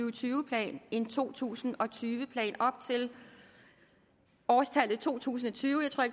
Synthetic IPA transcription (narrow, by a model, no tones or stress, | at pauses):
yːt͡sʰyːʊəpʰlɛ̰ːne̝nt͡sʰo̝̰ːt͡sʰṵːsn̩ɒ̽t͡sʰyːʋəpʰlɛ̰ːnɒ̽b̥̚t͡sʰe̝l | ɒːst͡sʰældð̩ˠt͡sʰo̝̰ːt͡sʰṵːs̬n̩ɒ̽t͡sʰyːʊəjaɪt͡sʰʁoɐ̰eɡ